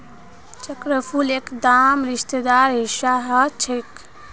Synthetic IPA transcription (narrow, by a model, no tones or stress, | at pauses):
t͡ʃəkɾəpʰulekd̪amɾiʃt̪ed̪aɾɦiʃaɦət͡ʃʰek